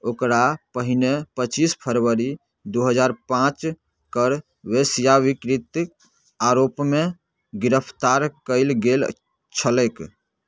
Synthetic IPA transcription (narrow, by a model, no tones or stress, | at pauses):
okɾapəɦinepət͡ʃispʰəɾʋəɾi | d̪uɦəd͡ʒaɾpãt͡ʃ | kəɾ | ʋesijaʋikɾit̪ | aɾopme | ɡiɾəpʰt̪aɾkəɪlɡel | t͡ʃʰəlɛk